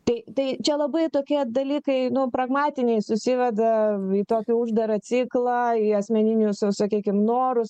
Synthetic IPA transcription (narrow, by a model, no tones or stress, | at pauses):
t̪ɐɪt̪ɐɪt͡ʃʲɛlˠɐbɐɪt̪oːkʲiɛd̪ɐlʲiːkɐɪnʊpɾɐɡmɑːt̪ʲɪnʲɛɪsʊsʲɪʋʲɛd̪ɐiːt̪oːkʲɪʊʒd̪ɐɾɐt͡s̪ʲiklˠɐiɐsʲmʲɛnʲɪnʲʊssɐkʲiːkʲɪmnoːɾʊs